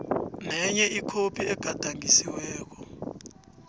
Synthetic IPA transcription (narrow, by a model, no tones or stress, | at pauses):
nɛɲɛikʰopʰiɛɡ̥ʱad̥ʱaŋʱisiwɛːk̬ɔ